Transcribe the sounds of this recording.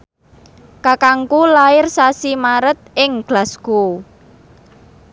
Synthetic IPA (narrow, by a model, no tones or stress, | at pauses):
kakaŋkulaɪrsasimaɾət̪̚ɪŋɡ̥lasɡ̥o